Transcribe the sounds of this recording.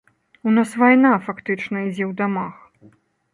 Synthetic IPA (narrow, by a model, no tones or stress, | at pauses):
unasvajnafakt̪ɨt͡ʂnɐid͡zʲɛwd̪amax